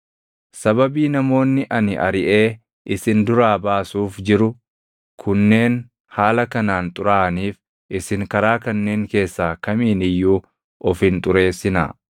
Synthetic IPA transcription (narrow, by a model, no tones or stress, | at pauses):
sɐbɐbiːnɐmo̞ːnːɪʔɐnɪʔɐ̰ɾɪʔe̞ː | ʔɪsɪnd̪ʊɾaːbaːsuːfd͡ʒɪɾʊ | kʰʊnːe̞ːn | haːlɐkɐnaːnt̪ʼʊɾaːniːf | ʔɪsɪŋkɐɾaːkɐnːe̞ːŋke̞ːsːaːkɐmiːnɪjːuː | ɔfɪnt̪ʼʊɾe̞ːsɪna̰